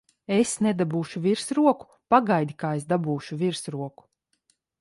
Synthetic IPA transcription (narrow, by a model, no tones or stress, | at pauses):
esned̪abuːʃuviɾsɾuɔku̥ | paɡajd̪ʲikaːesd̪abuːʃuviɾsɾuɔku̥